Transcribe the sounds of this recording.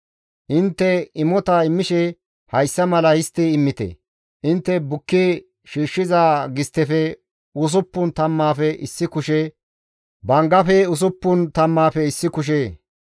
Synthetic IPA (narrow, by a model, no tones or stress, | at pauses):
ʔɪnt̪ːɛɪmɔt̪ɐɪmːɪʃɛ | hɐjsːɐmɐlɐhɪst̪ːiɪmːɪt̪ɛ̰ | ʔɪnt̪ːɛbʊkːe | ʃiːʃːɪzaːɡɪst̪ːɛfɛ | ʊs̬ʊpːʊnt̪ɐmːaːfɛʔɪsːɪkʊʃɛ | bɐŋɡɐfɛʊs̬ʊpːʊnt̪ɐmːaːfɛɪsːɪkʊʃ̬eː